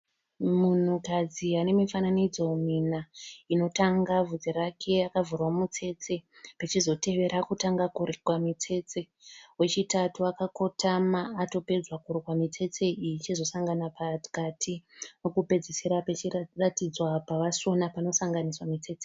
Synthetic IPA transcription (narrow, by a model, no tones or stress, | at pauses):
mun̤ukad͡ziane̞mifananid͡zo̞minaino̞taŋɡavud͡zeɾakʰe̞akavurwamut͡se̞t͡se̞ | pet͡ʃizo̞te̞ʋe̞ɾʔakutaŋɡakurkwamit͡se̞t͡se̞ | we̞t͡ʃitatuakako̞tʰamaːto̞pe̞d͡zwakuɾikwamit͡se̞t͡seit͡ʃizo̞saŋɡanapati̥katʰino̞kupe̞d͡ziseɾapet͡ʃiratid͡zwapaʋaso̞napano̞saŋɡaniswamit͡se̞ːt͡se